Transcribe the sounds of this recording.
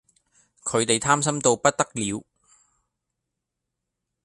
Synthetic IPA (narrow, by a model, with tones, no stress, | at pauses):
kʰɵ˨˧ɥt̪e˨jt̪ʰaː˥msɐ˥mt̪o˧wpɐ˥t̚t̪ɐ˥k̚liː˨˧w